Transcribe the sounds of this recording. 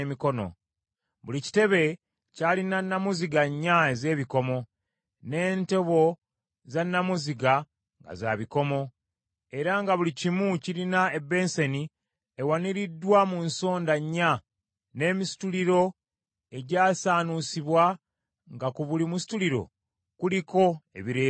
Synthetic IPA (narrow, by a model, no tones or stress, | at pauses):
miko̞no̞̰ | βulici̥te̞βe̞ | caːlinanːamuziɡaɲːaeze̞ːβiko̞mo̞ | ne̞ːnte̞βo̞ | zanːamuziɡa | ŋɡa̰za̰βiko̞mo̞ | e̞ɾaŋɡaβulicimuciɾinae̞bːe̞ːnse̞ni | ewaniɾidːwamunso̞ːndaɲːa | ne̞ːmisi̥tuliɾo̞ | e̞ɟaːsaːnusiβwa | ŋɡakuβulimusi̥tuliɾo̞̰ | kuliko̞ḛβiɾe